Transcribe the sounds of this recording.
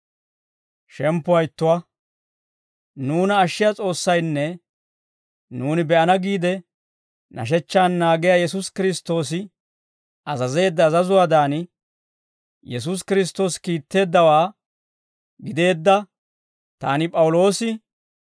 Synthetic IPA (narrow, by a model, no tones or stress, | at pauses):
ʃɛmpːʊɐjt̪ːʊwɐ | nuːnɐːʃːɪjat͡sʼo̞ːsːɐjnːɛ | nuːnɪbɛʔɐnɐɡiːd̪ɛ | nʔɐ̰ʃ̬ɛt͡ʃːaːnːaːɡɪjajɛsʊskɪɾɪst̪ːo̞ːs̬ɪ | ɐzɐze̞ːd̪ːɐːzɐzʊwaːd̪aːn | jɛs̬ʊs̬kɪɾɪs̬t̪ːo̞ːskiːt̪ːe̞ːd̪ːɐwaː | ɡɪd̪e̞ːd̪ːɐ | t̪aːnɪpʼɐwʊlo̞ːsɪ